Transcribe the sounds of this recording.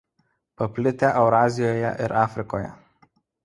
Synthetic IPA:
pɐpʲlʲɪt̪ʲɛʔɛʊɾɑːzʲɪjoːjɛ̰ʔɪɾɑːfʲɾʲɪkoːjɛ̰

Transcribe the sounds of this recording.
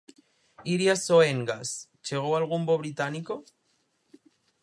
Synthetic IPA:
iɾjasoeŋɡas | t͡ʃeɣ̞owalɣ̞umboβ̞ɾit̪aniko

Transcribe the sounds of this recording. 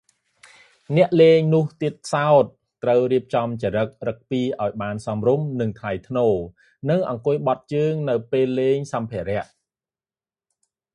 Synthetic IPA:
nɛ̆əʔleːŋnʊ̆əht̪iət̪̚kʰsaɔt̪̚ːrəwriəp̚t͡ɕɑmt͡ɕaɾək̚rək̚piːʔaɔjɓaːnsɑmrumnɨŋt̪ʰlajt̪ʰnoː | nɨŋʔɑ̰ŋkʊ̆əjɓɑt̪̚t͡ɕəːŋnɨwpeːlːeːŋsɑmpʰĕəɾɛ̆əʔ

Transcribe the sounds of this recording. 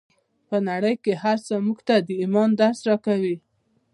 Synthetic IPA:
pənaɽəjkehaɾsəmuɡt̪ad̪əimɑnd̪aɾsɾɑkawi

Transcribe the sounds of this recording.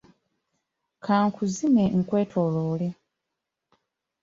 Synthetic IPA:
kʰaːŋkʰuzimeŋ̩kwe̞ːtʰoːloːle

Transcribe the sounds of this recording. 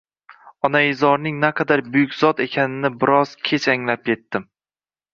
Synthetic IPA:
ɒnaɪzɒɾnɪŋnaqʰɑd̪aɾbʊjʊkʲzɒt̪e̞kʲʰanɪnɪbɪɾɒz̥kʲʰe̞t͡ʃaŋlap̚kʲe̞t̪ːɪm

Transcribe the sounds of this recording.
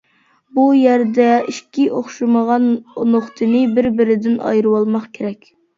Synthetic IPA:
bujæɾd̪ɛiʃkʲiʔoχʃɨməʁɑnnoχt̪ʰɨnɨbɪɾbɪɾɪd̪ɪnɑ̰jɾɨwɑlˠmɑqkʲʰeɾɛkʲ

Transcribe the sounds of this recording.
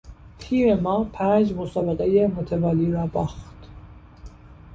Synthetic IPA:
pʰiːɾemɒːpʰæːnd͡ʒmosɑːbeɣejemot̪ʰevɒːliːɾɒːbɑːxt̪

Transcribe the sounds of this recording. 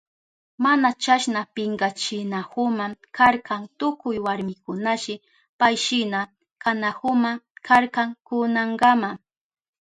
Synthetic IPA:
manat͡ʃaʃnapɪŋɡat͡ʃɪnahʊmakaɾkaŋt̪ʊkʊjwaɾmɪkʊnaʃɪ | pajʃɪna | kanahʊmakʰaɾkaŋkʊnaɴɡama

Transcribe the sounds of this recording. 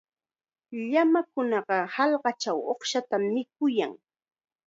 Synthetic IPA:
ʎamakʊnɑɢɑhɑlɢɑt͡ʃawoχʃat̪amːɪk̚ʊja̰ŋ

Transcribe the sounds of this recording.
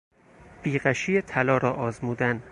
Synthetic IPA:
b̥iːɢæʃijet̪ʰælɒːɾɒːʔɒːzmuːd̪æn

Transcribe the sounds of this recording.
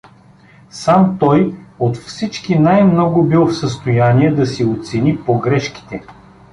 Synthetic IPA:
samt̪ɔjot̪fsit͡ʃkinajmnɔɡʊbilˠfsəst̪ojaniɛd̪ɐsiot̪sɛnipoɡɾɛʃki̥t̪ɛ

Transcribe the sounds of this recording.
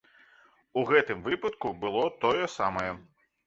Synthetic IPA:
uɣɛt̪ɨmvɨpɐt̪kubɨlˠɔt̪ɔjɛsamɐjɛ

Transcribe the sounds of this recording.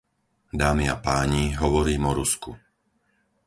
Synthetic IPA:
d̪aːmia̰paːɲiɦɔʋɔɾiːmɔɾusku

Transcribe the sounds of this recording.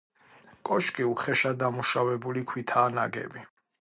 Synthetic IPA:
kʼɔʃkʼiuχɛʃad̪amuʃawɛbulikʰwit̪ʰaːnaɡɛ̰bi

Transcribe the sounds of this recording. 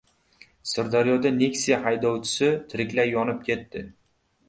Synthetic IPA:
sɪɾd̪aɾijɒd̪ane̞ksijahajd̪ɒwt͡ʃʰɪ̥sɪt̪ʰɪɾɪkʲlajɒnɪp̚kʲʰe̞t̪ːɪ

